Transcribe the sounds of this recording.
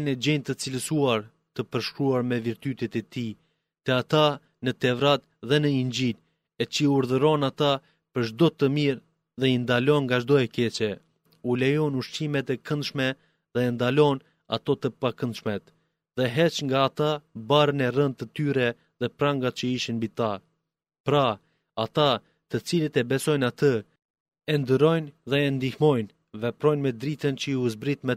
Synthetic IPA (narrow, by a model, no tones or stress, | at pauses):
nɛd͡ʑɛnt̪ət͡siləsuaɾ | t̪əpəɾʃkɾuaɾmɛviɾt̪yt̪ɛt̪ɛt̪i | t̪ɛat̪a | nət̪ɛvɾat̪̚ðɛnəind͡ʑil | ɛt͡ʃəuɾðəɾɔnat̪a | pəɾʒd̪ɔt̪əmiɾ | ðɛind̪alɔnŋɡaʒd̪ɔɛkɛt͡ʃɛ | ulɛjɔnuʃt͡ʃimɛt̪ɛkənd̪ʃmɛ | ðɛːnd̪alɔn | a̰t̪ɔt̪əpakənd̪ʃmɛt̪ | ðɛɦɛt͡ʃŋɡaːt̪abaɾənɛrənd̪̚t̪ət̪yɾɛ | ðɛpɾaŋɡat͡ʃəiʃinbit̪a | pɾa | at̪a | t̪ət͡silit̪ɛbɛsɔjnat̪ə | ɛnd̪əɾɔjnðɛɛnd̪ihmɔjn | vɛpɾɔjnmɛd̪ɾit̪ənt͡ɕəiuzbɾit̪mɛ